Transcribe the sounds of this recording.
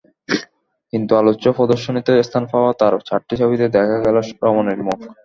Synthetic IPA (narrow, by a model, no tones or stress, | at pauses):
kint̪ualoːopɔd̪oʃːonit̪eest̪ʰanfaoat̪aɾt͡ɕʰaʈːit͡ɕʰobit̪ed̪ɛkʰaɡɛloʃɾɔmoneɾmok